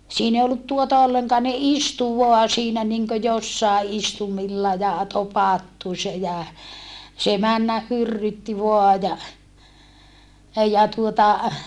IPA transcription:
siːn ei olːut tuotɑ olːeŋkɑː ne istu ʋoɑ siːnæ niŋkø josːɑˑe ʔistumilːɑ jɑ topɑtːu se jæ se mænːæh hyrːytːi ʋoɑ jɑ jɑ tuotɑ

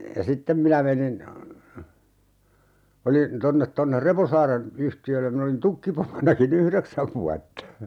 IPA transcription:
jɑ sitːem minæ menin olin tonːet tonːer reposɑːren yhtiølːem min olin tukːipomonɑkin yhreksæʋ ʋuɑtːɑ

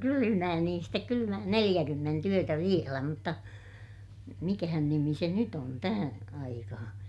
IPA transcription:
kylymæː niːn stek kylymæː nelij̆ækymːent yøtæ ʋielæ mutːɑ mikæhæn nimi se nyt on tæhæ̃ː ɑikɑhɑ̃ː

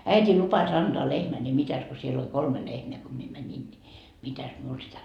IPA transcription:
æitʲiː lupɑs ɑnd̥oɑ lehmæ ni mitæs ko siel olʲ kolme lehmeæ ko mie mænʲin ni mitæs miul sitæ

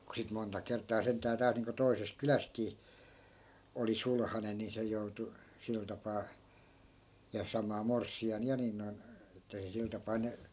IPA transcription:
ku sit montɑ kertˑɑː sentːæː tæːlt niːŋko toises kylæstkiː oli sulhɑnen̆ ni se joutu sil tɑpɑː jɑ sɑmɑː morsːiɑn jɑ nin noi̯n etːæ se sil tɑpɑː ne

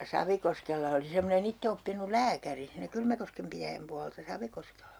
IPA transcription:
sɑʋikoskelːɑ oli semːonen itːeopːinul̆ læːkæri siːnæ kylmækoskem pitæjæm puɑltɑ sɑʋikoskelːɑ

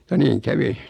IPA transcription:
jɑ niːŋ kæʋi

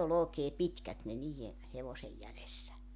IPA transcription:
ol oːkeː pitkæt ne niːj̆e heʋosej jælesːæ

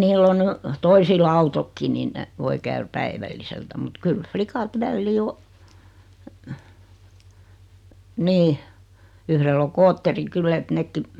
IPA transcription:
niːlː o ny toisil ɑutokːi nin ne ʋoi kæyr pæiʋælːiseltæ mut kyl flikɑt ʋælːiː o niː yhrelː o koːtːeri kylːæ et nekːi

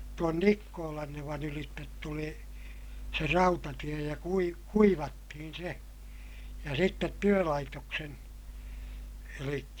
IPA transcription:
tuon nikːoːlɑnːeʋɑn ylitːet tuli se rɑutɑtie jɑ kui kuiʋɑtːihin̞ se jɑ sitːet tyølɑitoksen elikːæ

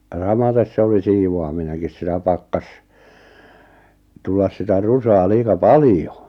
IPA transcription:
jɑ sɑmɑtes se oli siːʋoɑmineŋkis sitæ pɑkːɑs tulːɑs sitæ rusɑː liːkɑ pɑlĭjo

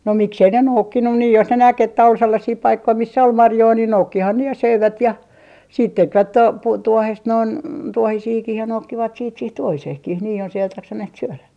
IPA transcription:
no miksei ne noukːinːu niː jos ne næk etːæ ol selːɑsiː pɑikːoi misːæ ol mɑrjoi niːn noukːihɑn ne jɑ søiʋæt jɑ siːt tekʋæt to puː tuohest noin tuohisiːkih jɑ noukːiʋɑt siːt siːh tuohiseːhkih niː jos eiʋæt jɑksɑneht syølæ

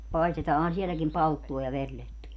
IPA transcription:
pɑistetɑːhɑn sielækim pɑltːuɑ jɑ ʋerletːujɑ

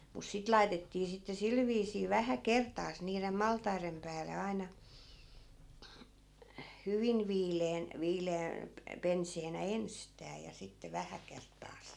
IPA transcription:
mus sit lɑitetːiː sitːe sil ʋiːsiː ʋæhæ kertˑɑːs niːrem mɑltɑirem pæːle ɑi̯nɑ hyʋin ʋiːleːn ʋiːleæ pe penseːnæ enstæː jɑ sitːe ʋæhæ kertːɑːs

